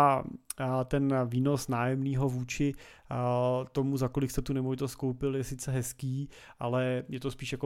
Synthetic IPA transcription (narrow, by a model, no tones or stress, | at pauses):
t̪ɛnviːno̞snaːjɛmniːɦo̞vuːt͡ʃɪ | t̪o̞muzako̞lɪkst̪ɛt̪unɛmovɪt̪ost̪̚ko̞wpɪljɛsɪt͡sɛɦɛskiː | ʔalɛjɛt̪ospiːʃjako